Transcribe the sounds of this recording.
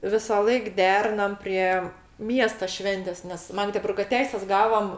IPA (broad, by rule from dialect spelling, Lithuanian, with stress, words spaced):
ʋʲɪsɑːˈlˠɐɪk ˈdʲæːrʲɪnɐm ˈpʲrʲiɛ ˈmʲiɛstɐ ˈʃʲʋʲɛnʲtʲeːs nʲɛs ˈmɑːɡdʲɛbʊrɡɐ ˈtʲɛɪsʲɛs ˈɡɑːʋoːm